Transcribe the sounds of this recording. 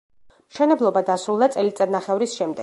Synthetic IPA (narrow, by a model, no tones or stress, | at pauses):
mʃɛnɛblˠɔbad̪asɾulˠd̪at̪sʼɛlit̪sʼɛɾnaχɛvɾisʃɛmd̪ɛ